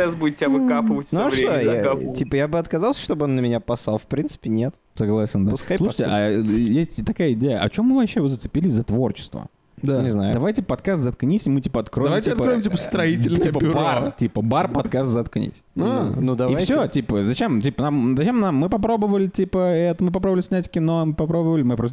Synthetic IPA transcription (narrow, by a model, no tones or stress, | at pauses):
ɛsbudʲɪt̪̚ʲtʲavɨkapɨvətʲnuʂt̪ojatʲipəjabɨɐt̪kɐzɑlˠsʲə̥ʂt̪obɨonːəmʲɪnʲapɐsalˠfpɾʲint̪sɨ̥pʲɪnʲet̪ | sɐɡlˠasʲɪnd̪apʊskajsˠuʂə̥tʲɪʔajesʲtʲt̪ɐkajəɪdʲejəʔɐ̰t͡ɕomːɨvɐpɕːeɪvɨzət̪sɨ̥pʲilʲɪzɐt̪vo̞rt͡ɕɪ̥st̪və̰ | d̪anʲɪznajʊd̪ɐvajtʲipəpɐt̪̚kast̪zɐt̪knʲisʲɪmɨtʲipəɐt̪kɾoɪvamjt̪ʲiɐt̪əɾoɪmtʲipəst̪ɾɐitʲɪlʲt̪ʲipəbartʲipəbarpɐt̪kast̪zɐt̪knʲḭsʲunud̪ɐviafsʲotʲipəzɐt͡ɕemtʲipənamzɐt͡ɕemnamːɨpɐpɾo̞bəvəlʲɪtʲipəɛt̪əmɨp̬ɐpɾobvlʲɪsʲnʲætʲkʲɪno̞mɨpɐpɾo̞bəvəlʲɪmɨpɾos̬t̪